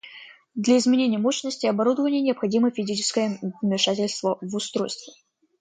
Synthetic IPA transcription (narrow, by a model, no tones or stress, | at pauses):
d̪lʲɐɪzmʲɪnʲenʲɪjəmo̞ɕnəsʲtʲɪɐbɐɾud̪əvənʲɪjənʲɪɐpxɐdʲiməfʲɪzʲit͡ɕɪ̥skəjəvmʲɪʂatʲɪlʲst̪vəvʊst̪ɾo̞jst̪vʲɪ